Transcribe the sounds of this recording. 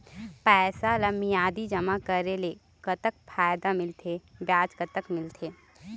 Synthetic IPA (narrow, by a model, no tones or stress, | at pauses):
pɛːsaləmijaːd̪id͡ʒɐmakəɾele | kət̪ək̚pʰaːjd̪amɪlt̪ʰebjaːt͡ʃkət̪əkmɪlt̪ʰeː